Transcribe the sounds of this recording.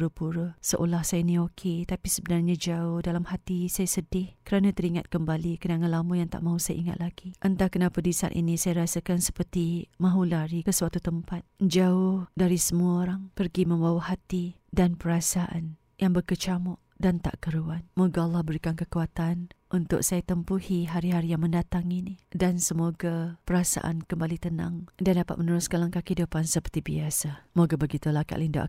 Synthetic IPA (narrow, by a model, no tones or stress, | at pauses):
ɾəpuɾəsəʔo̰lahsajanĩokʰet̪apisəbənarɲad͡ʒaʊhdalamhat̪isajasədɪhkəɾanat̪əɾiŋat̪̚kəmbalikənaŋalamujaŋt̪a̰ʔmãɦusaja̰ʔiŋa̰t̪̚laɡiʔənt̪akənapadisa̰nʔḭnisajaɾasakansə̥pərt̪imãɦulaɾikəswat̪ut̪əmpat̪̚d͡ʒaʊhdaɾisəmuaoɾaŋpərɡimə̃mbawahat̪idanpəɾasaʔa̰n | jaŋbərkət͡ʃamɔʔ | dant̪a̰ʔkəɾuanmoɡaɑlːɑhbəɾikankəkuat̪anʔunt̪ʊ̰ʔsajat̪əmpuhiɦaɾiɦaɾijaŋmə̃ndat̪aŋinidansəmoɡapəɾasa̰ʔa̰nkəmbalit̪ənã̰ŋdandapat̪̚mənəɾʊskalaŋkakidəpansəpərt̪ibiasamoɡabəɡit̪ulaka̰ʔlindo̰ʔ